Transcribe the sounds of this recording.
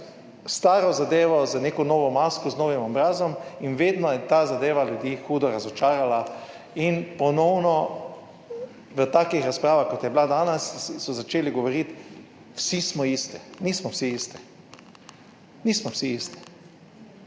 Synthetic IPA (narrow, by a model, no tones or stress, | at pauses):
st̪aːɾɔzad̪eːʋɔzaneːkɔnɔːʋɔmaskɔznoːʋimɔbɾaːzɔminʋeːd̪nɔjɛt̪aːzad̪eːʋalʲjud̪iːxuːd̪ɔɾazɔt͡ʃaːɾala | inpɔnɔwnɔ | ʋət̪akixɾaspɾaːʋaxkɔt̪jɛblad̪aːnɛssɔzat͡ʃeːliɡɔʋɔɾit̪ | wsismɔist̪ɛnismɔwsiist̪ɛ̥ | niːsmɔwsiist̪ɛ̥